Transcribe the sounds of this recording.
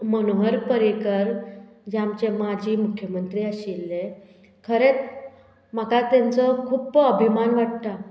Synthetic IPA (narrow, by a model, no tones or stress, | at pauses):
mənoɦəɾpəɾikəɾd͡ʑeamt͡ɕemad͡ʑʱiːmukʰjəmənt̪ɾiːəɕilːe | kʰəɾet͡s | m̤akat̪ãnt͡səkʰuːpəbʱimanʋaʈ̚t̪a